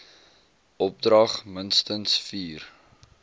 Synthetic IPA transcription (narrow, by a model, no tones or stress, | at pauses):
ʔɔp̚drɐχmənstənsfiːr